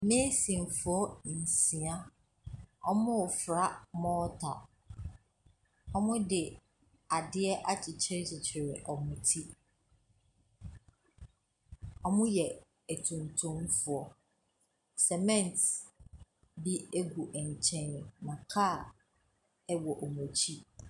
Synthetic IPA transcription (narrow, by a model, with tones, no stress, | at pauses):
meː˦sĩ˨n˨fʊ˨ɔ˦n̩˨sĩ˨a˦ | ɔ˦mʊ̃˦ʊ˨fɾa˦mɔː˦tʰa̰˨ | ɔ˦mʊ̃˦dɪ˨ | a˨dɪ˦ɛ˦ʔa˦t͡ɕʰɪ˨t͡ɕʰɪ˦ɾɪ˦t͡ɕʰɪ˨t͡ɕʰɪ˨ɾɪ˨ʔɔ˨mʊ̃˨tʰi˦ | ɔ˨mʊ̃˦jɛ˨ | æ˨tʰũ˨ntʰũ˦m˦fʊ˨ɔ˨ | sɛ˨mɛ̃˦˨nt | bi˦e˦ɡu˨ʔɛ˨ɲ˨t͡ɕʰɛ̃˦n˨nã˨kʰa˦˨ | ɛ˦wɔ˨ʔo˨mo˨t͡ɕʰi˦